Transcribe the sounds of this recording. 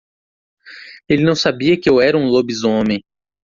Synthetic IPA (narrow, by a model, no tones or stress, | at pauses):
elɪnɐ̃w̃sabiɐkɪewɛɾɐũlobizõmẽj̃